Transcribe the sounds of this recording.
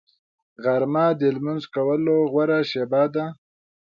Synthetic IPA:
ɣaɾmad̪əlmʊnzkawəloɣwaɾaʃebɑːd̪a

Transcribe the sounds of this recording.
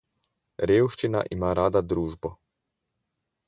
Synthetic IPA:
ɾeːwʃt͡ʃina̰ʔimaːɾaːd̪ad̪ɾuːʒbɔ

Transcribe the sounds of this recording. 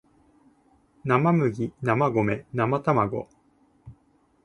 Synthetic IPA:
namamɯ̟ɡʲinamaɡo̞me̞namat̪amaɡo̰

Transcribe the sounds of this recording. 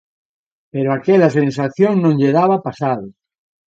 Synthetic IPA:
peɾoakɛlasens̬aθjoŋnõŋʎeðaβapasaðʊ

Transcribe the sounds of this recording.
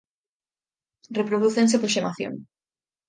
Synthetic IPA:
repɾoðuθeŋs̬epoʃemaθjo̰ŋ

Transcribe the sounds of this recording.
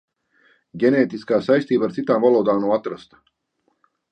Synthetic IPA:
ɡʲeneːt̪iskaːsajst̪iːbaɾt̪sit̪aːnmvalˠoːd̪aːmnawat̪ɾast̪

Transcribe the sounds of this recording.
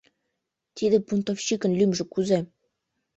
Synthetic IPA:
t̪ʲid̪ɘ̆punt̪ofɕikɘ̆nlʲymʒɘ̆kuze

